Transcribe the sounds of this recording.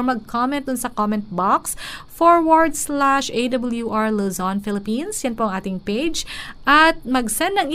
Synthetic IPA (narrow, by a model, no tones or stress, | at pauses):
mɐɡ̚kʰomɛ̃nt̪̚d̪ʊnsɐkomɛ̃nt̪̚baksfoɹwɐɹd̪slaʃed̪ɐbɐljuʔaɹlozonfɪlɪpinsjɛnpɾoɐŋʔaːt̪ɪŋpejd͡ʒʔɐt̪̚mɐɡsɛnd̪nɐŋɪ